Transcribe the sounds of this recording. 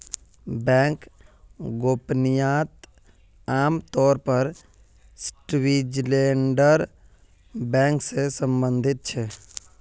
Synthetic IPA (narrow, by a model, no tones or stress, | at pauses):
bɛ̃ːŋk | ɡoːpnijaːt̪ | aːmt̪ɔːɾpəɾ | sʈwiːd͡ʒleːɳɖəɾ | bɛ̃ːŋksesə̃mbə̃nd̪ʱɪt̪̚t͡ʃʰɛ